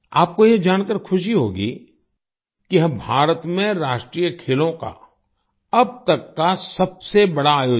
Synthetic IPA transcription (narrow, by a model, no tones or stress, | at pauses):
aːp̚kojed͡ʒaːñkəɾkʰʊʃiɦoːɡḭ | kiɦɐ̃bʱaːɾət̪mẽɾaːʃʈɾiːjəkʰeːlõka̰ | ɐb̚t̪ɐkːasɐbsebɐɽaaːjoː